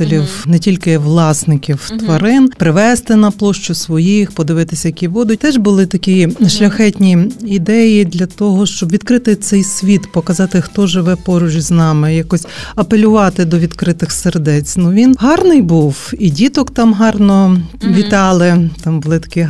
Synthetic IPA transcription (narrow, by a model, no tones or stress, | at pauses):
elʲiwnɛtʲilʲkɪʋlˠɑsnɪkʲiwt̪ʋɐɾɪnpɾɪʋɛst̪ɪnɐplˠɔʃt͡ʃʊsʋɔjijxpɔd̪ɪʋɪt̪ɪsʲɐjɐkʲiʋɔd̪ʊt̪ɛʒbʊlˠɪt̪ɐkʲijʃlʲɐxɛtʲnʲiid̪ɛjid̪lʲɐt̪ɔɦɔʃt͡ʃɔbʋʲid̪kɾɪt̪ɪt̪sɛjsʲʋʲit̪pɔkɐzɑt̪ɪxt̪ɔʒɪʋɛpɔɾʊʒʲiznɑmɪjakɔsʲɐpelʲʊʋɑt̪ɪd̪ɔʋʲid̪kɾɪt̪ɪxserd̪ɛt͡sʲnuʋʲinɦɑrnɪjbuwidʲit̪ɔkt̪ɑmɦɑrnɔʋʲit̪ɑlˠɪt̪ɑmbʊlˠɪt̪ɐ̥ki